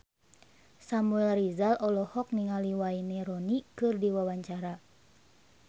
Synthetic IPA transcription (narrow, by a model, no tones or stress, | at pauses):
samuɛlrizalʔɔlɔhɔk̚niŋaliwainiɾɔnikɨrdiwawaɲt͡ʃaɾa